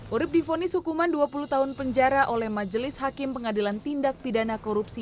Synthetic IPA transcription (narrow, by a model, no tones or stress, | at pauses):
ʔuɾɪp̚difonishukumanduapuluht̪aɦʊnpəɲd͡ʒaɾaʔolɛhmad͡ʒəlɪshakɪmpəŋadilant̪indak̚pidanakoɾupsi